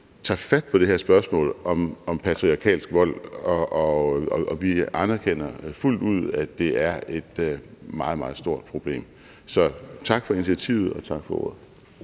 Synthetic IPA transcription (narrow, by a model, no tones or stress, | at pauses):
t͡sʰɑ̰̈fæd̥̚pʰɒ̽ɾ̥eheɐ̰sb̥ɶɐsmɔ̰̽ːlɒ̽mɒ̽mpʰæt͡sʰʁiɑ̈kʰɛ̰ːlsɡ̥ʋɒ̽l̰ɒʔɒɒɒ̽ʋiænɐkʰen̰ɐful̰d̥uð̞̰ˠæd̥e̝æɐe̝d̥mɑ̈ːð̞̩ˠmɑ̈ːð̞̩ˠsd̥o̝ɐ̰d̥̚pʰʁo̝b̥le̝̰ːm | sɒ̽t͡sʰɑ̈ɡ̥fɒ̽init͡sʰiæt͡sʰḭʊ̰ð̞̩ˠɒ̽t͡sʰɑ̈ɡ̥fɒ̽o̝ɐð̩ˠ